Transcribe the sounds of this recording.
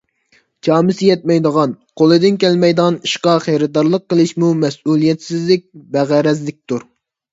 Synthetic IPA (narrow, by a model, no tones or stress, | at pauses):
t͡ʃʰɑːmɨsɪjɛt̪̚mɛjd̪əʁɑn | qʰolˠɨd̪ɪnkʲʰɛlmɛjd̪ʁɑniʃqɑχejɾɨd̪ɑɾlˠəqːəlˠɨʃmumɛsulˠijɛt̪sɪzlɪk̚ʲbæʁæɾɛzlɪk̚ʲt̪uɾ